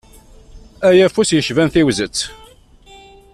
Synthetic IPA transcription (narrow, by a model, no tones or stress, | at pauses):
æjæfusjəʃvænθiwzət͡sː